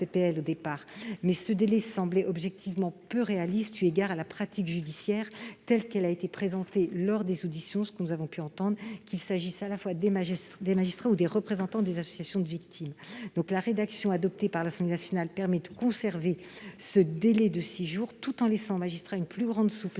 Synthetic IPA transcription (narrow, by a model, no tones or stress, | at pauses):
pepeɛlod̪epaːʁmɛsəd̪elɛsɑ̃blɛʔɔbʒɛk̚t̪ʰivmɑ̃pøʁealist̪yeɡaʁalapχat̪ikʒyd̪isjɛʁt̪ɛlkɛlaet̪epχezɑ̃t̪elɔʁd̪ezod̪isjɔ̃sə̥kənuzavɔ̃pyɑ̃t̪ɑ̃d̪ʁkʲilsaʒisalafwad̪emaʒid̪emaʒist̪χaud̪eʁəpχezɑ̃t̪ɑ̃d̪ezasɔ̥sjasjɔ̃d̪əvikt̪ʰimd̪ɔ̃klaʁed̪aksjɔ̃ad̪ɔp̚t̪epaʁlasɑ̃blenasjɔnalpɛʁmɛd̪əkɔ̃sɛʁvesəd̪elɛd̪əsiʒuːʁt̪ut̪ɑ̃lɛsɑ̃omaʒist̪χaynplyɡʁɑ̃d̪sup